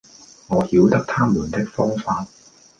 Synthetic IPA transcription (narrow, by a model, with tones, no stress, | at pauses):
ŋɔː˨˧hiː˨˥wt̪ɐ˥k̚t̪ʰaː˥mluː˨˩nt̪ɪ˥k̚fɔː˥ŋfaː˧t̚